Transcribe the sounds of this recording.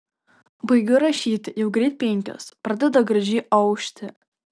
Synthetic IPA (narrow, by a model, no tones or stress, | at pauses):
bɐjɡʲɐɾɐʃʲiːt̪ʲjɛwɡɾʲeːt̪̚ʲpʲeŋʲkʲo̰ːsprɐd̪ʲɛd̪ɐɡrɐʒʲiːʔɐwʃʲt̪ʲʰɪ